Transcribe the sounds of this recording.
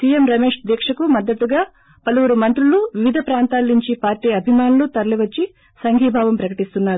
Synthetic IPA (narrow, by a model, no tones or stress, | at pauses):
siːjemɾɐmeːʂd̪ɛːkʂɐkumɐd̪ːɐt̪ːuɡaː | pɐluʋuɾumɐnt̪ɾuluʋiʋid̪ʱɐpɾaːnt̪aːlːiɲt͡ʃipaːɾʈiːɐbʱimaːnulut̪ɐɾɐliʋɐt͡ʃːi | sɐŋɡʱiːbʱaːʋɐmpɾɐkɐʈist̪unːaːɾu